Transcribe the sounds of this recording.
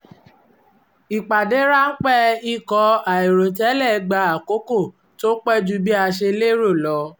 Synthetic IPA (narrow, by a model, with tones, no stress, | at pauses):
i˨k͡pa˨de˨˦ɾa˦n̩˦k͡pɛ˦i˦˨kɔ˧˦a˨i˨ɾo˨tɛ˨˦lɛ˦˨˧ɡ͡ba˧a˨ko˨˦ko˦˨ | to˦k͡pɛ˦d͡ʒu˧bi˦a˧ʃe˧le˦ɾo˦˨lɔ˨˧˦